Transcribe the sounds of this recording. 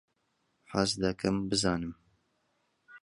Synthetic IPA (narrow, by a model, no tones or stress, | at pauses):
ħaːsd̪ɐkʰɐmbɨzɑːnɨm